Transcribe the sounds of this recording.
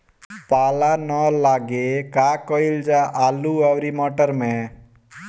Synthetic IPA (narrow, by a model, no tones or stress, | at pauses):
paːlanɔlaːɡekaːkɔild͡ʒaʔaːluaʋɾimɔːʈəɾmẽ